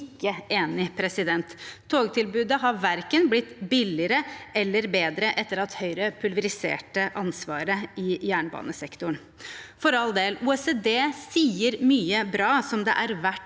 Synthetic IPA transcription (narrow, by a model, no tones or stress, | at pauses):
kːəʔeːnɪpʰɾɛsɪd̪ɛnt̪ʰːoːɡt̪ʰɪlbʉːd̪əɦɑʋæɾkənblɪt̪ːbɪlɪəɾəʔɛlːəɾbeːd̪ɾəʔɛt̪ːəɾɑt̪hœʏɾəpʰʉlʋəɾɪsḛːʈəʔɑnsʋɑːɾəɪjæːɳbɑ̰ːnəsɛkt̪ʊɳ | fɔɾɑld̪eːluːɛseːd̪eːsiːəɾmyːəbɾɑːsɔmd̪ɛ̰ʔæɾʋæʈ